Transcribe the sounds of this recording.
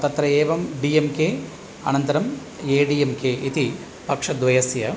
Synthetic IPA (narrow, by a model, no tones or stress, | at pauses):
t̪ɐt̪ɾɐeːʋɐmɖiemkeː | ɐ̰nɐnt̪ɐɾɐm | eːɖiemkeʔit̪i | pɐkʂɐd̪ʋɐjɐsjɐ